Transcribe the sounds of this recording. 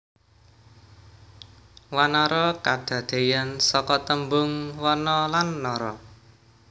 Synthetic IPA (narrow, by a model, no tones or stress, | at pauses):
wanɔɾɔkad̪̥ä̤d̪̥e̤jansɔkɔt̪əmbʊŋwɔnɔlanːɔɾɔ